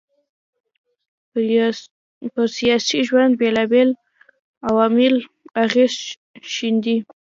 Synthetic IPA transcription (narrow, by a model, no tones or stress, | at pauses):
pəɾsijɑsiʒwand̪̚belɑbel | awɑmɪl | aɣez | ʃind̪i